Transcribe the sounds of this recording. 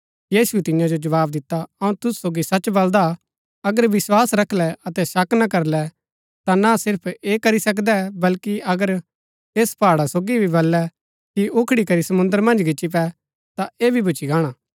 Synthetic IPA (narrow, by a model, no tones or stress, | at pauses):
jiːsut̪ɪ̃jãd͡ʒod͡ʒɐʋaːbd̪ɪt̪ːaɐũt̪ʊssoːɡisɐt͡ʃbɐld̪a | ɐɡəɾʋɪswaːsɾɐkʰlɛɐt̪ɛsɐknakɐɾlɛ | t̪anasɪɾpʰeːkɐɾisɐk̬d̪ɛbɐlkiɐɡəɾ | eːspaːɽasoːɡibʱibɐlːɛ | kiʔʊkʰɽikɐɾisɐmʊ̃nd̪əɾmɐ̃nd͡ʒɡɪt͡ʃːip̬ɛ | t̪aeːbʱibʊt͡ʃiɡaːɽ̃aː